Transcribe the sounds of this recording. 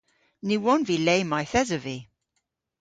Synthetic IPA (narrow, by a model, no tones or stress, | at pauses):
niwɔnvilejmajθɛzəvi